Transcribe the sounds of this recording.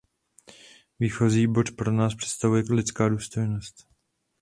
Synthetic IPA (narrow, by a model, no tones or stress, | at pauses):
viːxo̞ziːbo̞tpɾo̞naːspr̥ɛ̥t̪st̪avujɛlɪt͡skaːduːst̪o̞jno̞st̪